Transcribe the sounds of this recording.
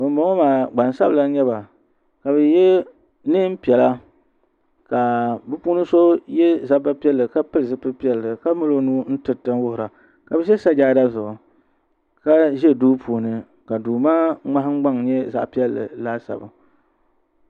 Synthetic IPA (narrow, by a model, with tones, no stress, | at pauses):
bɨ˨m˦ba˨˦o˦maː˨ɡ͡ba˨n˨sa˦bla˨˦ɲɛ˦ba˨ | ka˨bɨ˨jɛ˦ | nɨ˦m̩˦pi˨ɛ˨la˦ | ka˨bɨ˦puː˦nɨ˦so˦jɛ˦za˦ba˦pi˦ɛ˦lːɨ˨ka˦pɨ˦ɾɨ˨zɨ˦pɨ˦pi˦ɛ˦lːɨ˨ka˦mɨ˦lo˦nuː˦n̩˦tɨ˨tɨ˦nwʊ˦hʊ˨ɾa˨ | ka˨bɨ˦ʃɛ˦sa˦d͡ʒaː˦da˦zʊ˨ʊ˨ | ka˦ʒɛ˦duː˦pʰuː˨nɨ˨ | ka˨duː˨maː˦ŋ͡ma˦ɦŋ͡m̩˦ɡ͡ba˦ŋɲɛ˦za̰˨ʔpi˦ɛ˦lːɨ̰˨laː˦sa̰˨bɨ̰˨